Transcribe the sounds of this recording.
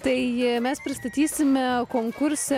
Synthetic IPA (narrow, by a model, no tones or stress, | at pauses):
t̪ɐɪmʲɛspʲɾʲɪst̪ɐt̪ʲiːsʲɪmʲɛkoːŋkʊɾʲsʲɛ